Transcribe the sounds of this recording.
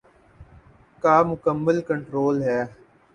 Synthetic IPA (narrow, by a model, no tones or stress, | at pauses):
kaːmʊkəmːəlkəɳʈɾoːlɦɛː